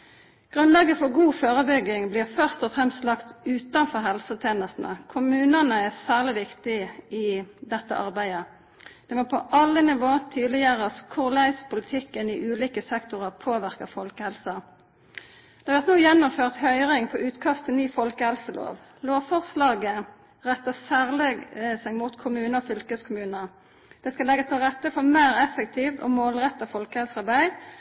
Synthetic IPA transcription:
ɡ̥ʁʉnlɑːɡəfɔʁɡuːføːʁəbʏɡɪŋbliːʁfœʁst̪ɔfʁɛmst̪lɑkt̪ʉːt̪ɑnfɔʁɦɛlsət̪ʰeːnəst̪n̩ə̰kʰʊmʉːnənəæsæːʁlɪʋɪkt̪ɪɪd̪ɛt̪ːə̰ʔɑʁbæɪə | d̪̥ɛːmoːpʰɔʔɑlənɪʋoːt̪ʰyːd̪lɪəʁəəskʰʊʁlæɪspʊlɪt̪ʰɪkːəniʔʉːliːkəsɛkt̪ʊʁəʁpʰoːʋɪʁkəfɔlkəhɛlsɑ | d̪̥ɛːɑɾʋæʁt̪nuːjɛnːʊmføːʁt̪hœʏʁɪŋpʰɔːʔʉːt̪kʰɑst̪ʰənyːfɔlkəhɛlsəlo̰ːʋ | loːʋfɔʁslɑːɡə | ʁɛt̪ːəsæːʁlɛɡsɛɡmuːt̪kʰʊmʉːnəɔfʏlkəskʰʊmʉːnə | d̪̥ɛskɑlɛɡəst̪ʰɪlʁɛt̪ːəfɔʁmeːʁɛfəkt̪ʰiːʋo̰ːmoːlʁɛt̪ːɑfɔlkəhɛlsɑʁbæɪ

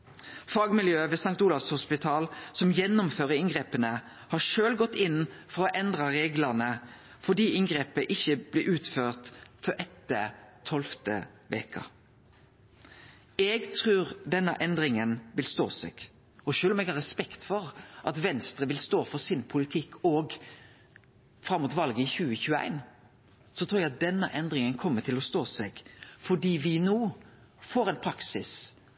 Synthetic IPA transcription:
fɑːɡmɪljøːʋeːsɑŋt̪ulɑʋshʊspɪt̪ʰɑːlsɔmjɛnːʊmføːʁəɪŋɡʁeːpənə | hɑːʃøːlɡɔt̪ːɪnfɔʁɔʔɛnd̪ʁɑʁeːɡləʁnə | fɔd̪iːʔɪŋɡʁeːpəʔɪçːəb̥lɪʔʉːt̪føːʁt̪fɔʔɛt̪ːət̪ʰɔlft̪ə̰ | ʋḛːkʰɑ̰ | ɛɡt̪ʰʁʉːʁd̪ɛnːə̰ʔɛnd̪ɾɪŋənʋɪlst̪o̰ːsɛ̰ɡ̥ | ɔʃøːlɔmɛɡhɑɾʁɛspɛkt̪fɔɾʔɑt̪ʋɛnst̪ɾəʋɪlst̪oːfɔsɪnpʰʊlɪt̪ʰɪkʰːɔɡ | fɾɑmːʊt̪ʋɑlɡəɪçʉːəçʉːəæ̰ɪn | sɔt̪ʰɾuːɾjɛɡɑt̪̚d̪ɛnːəʔɛnd̪ɾɪŋənkʰɔmːət̪ʰɪlɔst̪oːsɛɡfɔɖiːʋɪnoː | foːɾɛɪnpʰɾɑksɪs

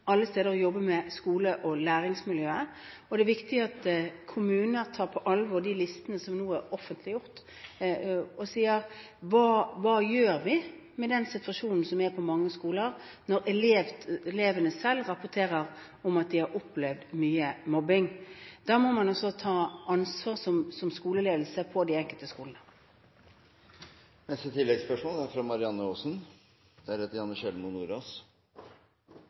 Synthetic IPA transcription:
ɑlːəst̪eːd̪əɾɔjɔbːəmɛskuːləʔɔlæːɾɪŋsmɪljøːə | ɔd̪ɛæɾʋɪkt̪ɪɑt̪kʰʊmʉːnəɾt̪ʰɑːɾpʰɔʔɑlʋɔd̪ɪlɪst̪ənəsɔmnuːæɔfənt̪lɪjʊɾt̪ | ɔsiːəɾ | ʋɑːʋɑːjøːɾʋɪ | mɛd̪ɛnsɪt̪ʋɑʂuːnn̩sɔmʋɛpʰɔmɑŋːəskuːləɾ | nɔɾɛleːʋɛleːʋənəsɛlːʁɑpʊt̪ʰeːɾəʁ | ɔmɑt̪̚d̪ɪhɑɾɔpːlɛʋd̪myːəmɔbɪŋd̪̥ɑːmɔmɑnɔsɔt̪ʰɑːɑnsʋɑːʁsɔmsɔmskuːləleːd̪l̩səpʰɔd̪ɪɛŋkəlt̪əskuːlnə | nɛst̪ət̪ʰɪlːɛɡspœʂmoːlæɾfɾɑmɑɾɪɑnːəoːsn | d̪̥ɛæɾhɛːt̪əɾjɑnːəɕɛlmʊnuːɾɑs

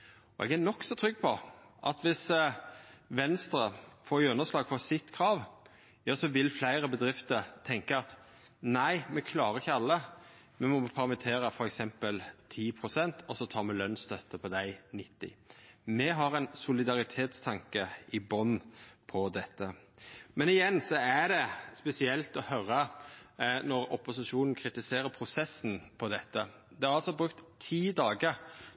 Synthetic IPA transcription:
ɔʔɛ̰ɡænɔksɔt̪ʰɾʏɡ̚ːpʰɔʔɑt̪ʋɪs | ʋɛnst̪ɾəfɔɾʉnːəʂlɑːɡfɔsɪt̪kʰɾɑːʋ | jɑːsɔʋɪlflæɪɾəbəd̪ɾɪft̪əɾt̪ʰɛŋkəɑt̪ | næɪmɛkʰlɑːɾəɪçːəɑlːə | mɛmɔpʰæɾmɪt̪ʰeːɾəfɔɾɛksɛmpəlt̪ʰiːpʰɾʊsɛnt̪ʰɔsɔt̪ʰɑːmɛlœnst̪ʰœt̪ːəpʰɔd̪æɪnɪt̪ːɪ̰mɛɦɑɾɛɪnsʊlɪd̪ɑɾɪt̪ʰeːt̪st̪ʰɑŋkəɪbɔnpʰɔd̪ɛt̪ːəmɛnɪjɛnːsɔæd̪ɛspɛsɪɛlt̪ɔhœɾə | nɔɾɔpʊsɪʂuːnn̩kʰɾɪt̪ɪseːɾəpʰɾʊsɛsːn̩pʰɔd̪ɛt̪ːə | d̪ɛæɾɑlsɔbɾʉk̚t̪ʰːiːd̪ɑːɡəɾ

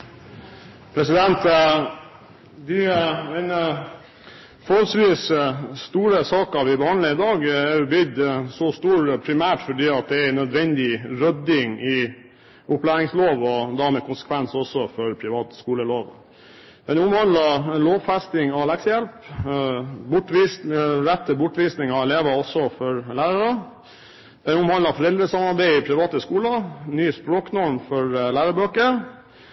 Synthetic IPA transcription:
pʰɾɛsɪd̪ɛnt̪ | d̪ɪmɛnə | fɔɾhɔlsʋiːsst̪uːɾəsɑːkəʋɪbəhɑɳləɪd̪ɑːɡæɾjʊbʏd̪sɔst̪uːɾpʰɾɪmæːʈfɔɖiːɑt̪̚d̪ɛæɾnœd̪ʋɛnd̪ɪɾœd̪ɪŋɪ | ʊplæːɾɪŋsloːʋɔd̪æɾmɛkʊnsə̥kʰʋɛnsɔsɔfɔɾpʰɾɪʋɑːt̪skuːləloːʋ | d̪̥ɛnʊmhɑnd̪lɑloːʋfæst̪ɪŋɑlæksəjɛlp | bʊʈʋisɾɛt̪ʰːəbʊʈʋiːsnɪŋɑɛleːʋəɔsːɔfɔɾlæːɾəɾə | d̪̥ɛnʊmhɑnd̪lɑfɔɾɛld̪ɾəsɑmɑɾbæɪɪpʰɾɪʋɑːt̪əskuːlənyːəspɾoːknɔɾmfɔɾlæːɾəbøːkəɾ

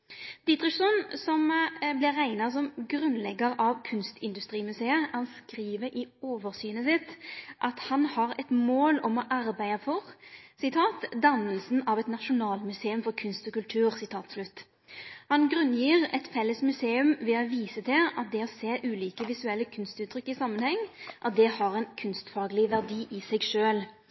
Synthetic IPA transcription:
d̪̥ɪt̪ɾɪsɔnsɔmblɪʁæɪnɑsɔmɡɾʉnlɛɡəɾɑʋkʰʉnst̪ɪnd̪ʉst̪ʁiːmʉseːəhɑnskɾiːʋəɾʔɪoːʋəɾsyːnəsɪt̪ʔɑt̪hɑnhɑɾɛt̪moːlɔmɔʔɑɾbæɪɑfɔʁsɪt̪ʰɑːt̪d̪ɑnːəlsn̩ɑʋɛt̪nɑʃʊnɑːlmʉseːʉmfɔʁkʰʉnst̪ɔkʉlt̪ʰʉːʁsɪt̪ʰɑːt̪slʉt̪ː | hɑnɡʁʉnːjiːʁɛt̪fɛlːəsmʉseːʉmʋɛɔʋiːsət̪ʰɪlʔɑt̪̚d̪ɛɔseːʔʉːliːkəʋɪsʉɛlːəkʰʉnst̪ʉːt̪ʰːɾʏkːɪsɑmːənhɛŋːʔɑt̪̚d̪ɛhɑɾɛɪnkʰʉnst̪fɑːɡlɪʋæʁd̪iːʔɪsɛɡʃøːl

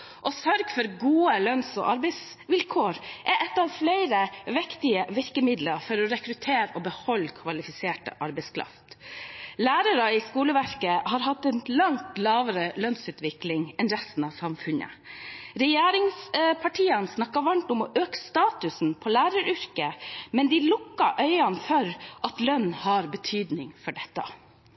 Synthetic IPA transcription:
ʔɔsœɾɡfɔɾɡuːəlœnsɔ̰ʔɑɾbɛɪs | ʋɪlkʰoːɾʔɛʔɛt̪ːɑʋflæɪɾəʋɪkt̪ɪəʋɪɾkəmɪd̪ləɾfɔɾɔɾɛkɾʉt̪ʰeːɾɔbəhɔlːkʰʋɑlɪfɪseːʈə̰ʔɑɾbɛɪskʰɾɑ̰ft̪læːɾəɾəɪskuːləʋæɾkəhɑːɾɦɑt̪ːɛnlɑŋt̪lɑːʋəɾəlœnsʉːt̪ʋɪklɪŋɛnɾɛst̪n̩ɑʋsɑmfʉnə̰ɾɛjeːɾɪŋspʰɑʈʰiːɑnsnɑkːɑʋɑnt̪ʊmɔʔøːkst̪ɑːt̪ʉsn̩pʰɔlæːɾəɾʏɾkəmɛnd̪ɪlʊkːɑʔœʏɑnfɔɾʔɑt̪lœnːhɑɾbət̪ʰyːd̪nɪŋfɔɖɛt̪ːɑ̰

